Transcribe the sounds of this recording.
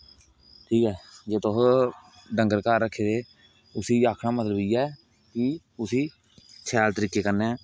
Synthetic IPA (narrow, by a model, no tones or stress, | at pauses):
ʈʰiːkɛːd͡ʒeːt̪os | ɖəŋɡəɾkaːɾːəkʰːeːd̪eː | ʊsĩːaːkʰnaːmət̪ləbiːɛː | kɪ | ʊsiː | sʰɛːlt̪əɾiːkeːkəɾnɛː